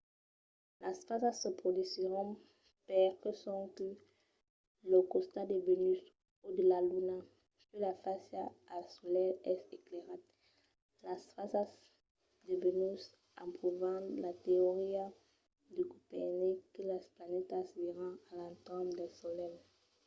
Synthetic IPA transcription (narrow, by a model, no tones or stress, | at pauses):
lasfasasəpχod̪isiʁɔ̃ | pɛʁkəsɔ̃kə | ləkɔ̃st̪ad̪evenys | ud̪əlaluna | sylafasjaasɔlɛlɛsekleʁat̪ | lasfasas | d̪evenys | ãpχuvɑ̃lat̪eoʁia | d̪əkupɛnekəlasplanɛt̪asiʁɑ̃alãnt̪ɔ̃d̪ɛsɔlɛl